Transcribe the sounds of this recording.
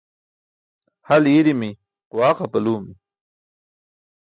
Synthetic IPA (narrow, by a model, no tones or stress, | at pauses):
haliːɾimi | qʊwɑːqapɐluːmi